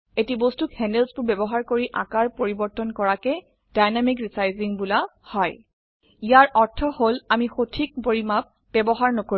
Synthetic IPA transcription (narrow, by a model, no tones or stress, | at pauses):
etibostukhɛnelsbʊɹbɛbɔɦaɹkoɹiʔa̰kaɹpoɹibɔɹtɔnkɔɹakɛ | d̥ajnamikɹisajziŋbulahɔj | ijaɹʔɔɹtʰɔholamixotʰik̚boɹimap | b̥ɛbɔɦaɹnɔko